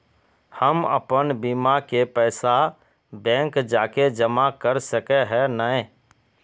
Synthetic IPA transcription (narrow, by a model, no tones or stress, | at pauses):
həmə̰pənbiːmakepɛːsa | bɛ̃ːŋkd͡ʒaːked͡ʒəmakəɾsəkeɦɛnəẽ